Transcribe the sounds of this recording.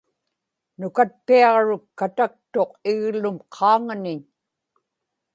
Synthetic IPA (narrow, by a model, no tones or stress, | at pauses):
nʊkat̪̚piɑʁɻʊkːat̪ak̚t̪o̞qɪɣlʊmqʰɑːŋanɪɲ